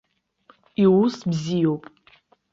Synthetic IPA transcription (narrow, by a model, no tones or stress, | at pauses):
iwusbzijowpʼ